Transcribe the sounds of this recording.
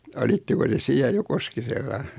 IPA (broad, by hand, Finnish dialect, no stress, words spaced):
olitːeko te siæ jo koskiselːɑ